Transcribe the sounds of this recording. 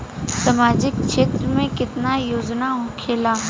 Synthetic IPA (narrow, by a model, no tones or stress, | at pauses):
sɐmaːd͡ʒɪk̚ːʃeːt̪ɾəmẽkɪt̪najoːd͡ʒnaɦʊ̃ːkʰeːlaː